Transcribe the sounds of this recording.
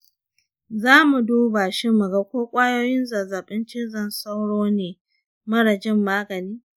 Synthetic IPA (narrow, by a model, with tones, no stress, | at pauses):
zaː˦mu˨duː˦baː˨ʃɪ˦mːɐ˨ɡa˦kʷoː˦kʷʼaː˦joː˦jɪ˦nzaː˨zaː˨ɓɪ˦nt͡ʃɪ˦zɐ˨nsa˦wɽoː˦neː˨ | mɐ˦ɽɐ˨d͡ʒɪ˦mːaː˦ɡɐ˨niː˦